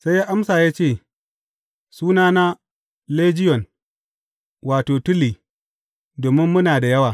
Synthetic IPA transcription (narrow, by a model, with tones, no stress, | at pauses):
sa˦jːaː˦ʔa˦msaː˨jaː˦t͡ʃeː˦˨ | suː˦naː˦na˦ | leː˦d͡ʒɪ˦jɔ˨n | waː˨toː˨tʊ˦liː˨ | doː˨mɪ˦mːʊ˦naː˨da˨jɐ˦waː˨